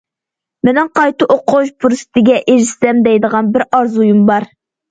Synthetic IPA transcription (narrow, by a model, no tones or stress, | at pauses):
mɪnɪŋqʰɑjt̪ɨʔoqʰoʃpʰuɾsɨ̥t̪ʰɪɡʲɛʔeɾɪst̪ɛmd̪ɛjd̪əʁɑnbɪɾɑɾzujumbɑɾ